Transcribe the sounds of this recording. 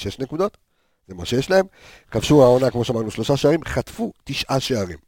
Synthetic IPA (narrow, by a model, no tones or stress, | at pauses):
ʃeʃne̞kud̪o̞t̪ | z̥e̞maʃejeʃlae̞m | kafʃuʁaonakmo̞ʃeamaʁnuʃlo̞ʃaʃeaʁimχat̪fut̪iʃʔaʃeaʁḭm